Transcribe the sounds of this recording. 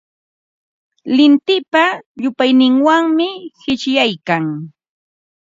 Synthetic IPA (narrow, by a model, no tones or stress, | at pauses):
lɪnt̪ɪpaʎʊpajnɪŋwaŋmɪhɪt͡ʃjajkaŋ